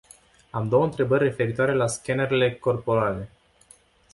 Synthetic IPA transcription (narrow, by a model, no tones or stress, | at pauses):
amd̪o̞wənt̪ɾe̞bərʲːe̞fe̞ɾit̪oaɾe̞laskʲeneɾile̞ko̞rpo̞ɾale̞